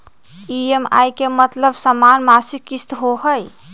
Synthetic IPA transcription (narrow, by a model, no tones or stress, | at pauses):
iema̰jkemət̪ləbsəmanmasikːist̪ɦoɦəj